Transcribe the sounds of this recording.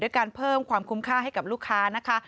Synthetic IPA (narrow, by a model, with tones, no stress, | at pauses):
dɯː˥˩əjkaː˧npʰɤː˥˩mkʰwaː˧mkʰu˦˥mkʰaː˥˩ɦa˥˩jka˨˩p̚luː˥˩kʰːaː˦˥na˦˥kʰa˦˥